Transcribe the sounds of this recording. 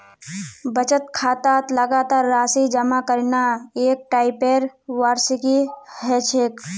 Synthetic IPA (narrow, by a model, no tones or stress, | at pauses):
bət͡ʃət̪kʰaːt̪aːt̪ləɡaːt̪aːɾːaːsid͡ʒəmakəɾnaeːk̚ʈaːɪpeːɾʋaːɾsikiɦɛt͡ʃʰeːk